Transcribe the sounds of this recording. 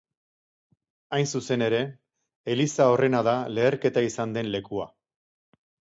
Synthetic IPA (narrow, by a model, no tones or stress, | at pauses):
ajnsuse̞ne̞ɾe̞ː | lisao̞re̞naðale̞ːɾke̞t̪aisand̪e̞nle̞kua̰